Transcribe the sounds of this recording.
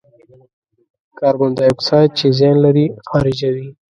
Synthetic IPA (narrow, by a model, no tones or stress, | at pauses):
kɑːɾbʊnd̪ɑjʊksɑd̪̚t͡ʃezjɑnlaɾixɑːɾɪd͡ʒawi